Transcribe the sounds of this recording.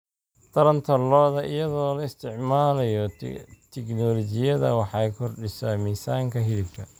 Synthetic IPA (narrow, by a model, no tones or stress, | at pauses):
t̪ʰɐɾɐnt̪ʰɐlɔːðɐʔɪjɐðɔːlɐɪst̪ʰɪʕmaːlɐjɔt̪ʰɪknɔːlɔt͡ʃɪjɐðɐ̰wɑħɑjkʰɔrɖɪsamiːsaːŋkʰɐɦɪlɪb̚k̪ʰɐ